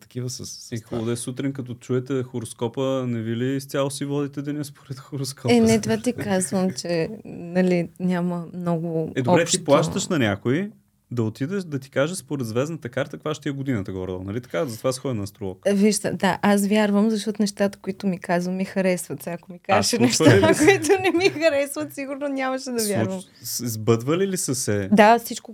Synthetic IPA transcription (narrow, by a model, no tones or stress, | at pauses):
t̪ɐ̥kivəsəsixod̪ɛsut̪ɾinkɐt̪ɔt͡ʃuɛt̪ɛxoɾoskɔpənɛvilist̪ʲjalˠosivɔd̪it̪ɛd̪ɛnʲɛspoɾɛt̪xoɾoskɔɛnɛt̪vat̪ikazvəmt͡ʃɛnɐlinʲaməmnɔɡʊɛd̪oɔɾɛtt̪itplˠaʃt̪əʃnɐnʲakoi | d̪ɐot̪id̪ɛʃd̪ɐt̪i̥kaʒɛspoɾɛd̪zvɛznət̪əkaɾt̪əkvaʃt̪iɛɡod̪inət̪əɡɔ̰ɾd̪ɔ̰nɐlit̪ɐ̥kazɐt̪ovasxɔd̪nɐːst̪ɾolˠɔ̰kviʒd̪ə̰d̪aʔas̬vʲjaɾvəmzɐʃ̬t̪ɔt̪ʊnɛʃt̪at̪ə̥kʊit̪ʊmikazvəmixɐɾɛsvət̪sɛɐkomikaʒɛʃɛnɛʃakoit̪ʊnɛmixɐɾɛsvət̪siɡʊɾnonʲaməʃɛd̪ɐvʲjaɾvm | zbɤd̪vəlilisəsɛd̪afsit͡ʃkʊ